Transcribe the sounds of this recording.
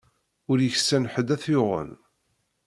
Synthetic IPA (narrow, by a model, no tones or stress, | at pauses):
ʊɾjəçsːænħəd̪æθjoʁə̰n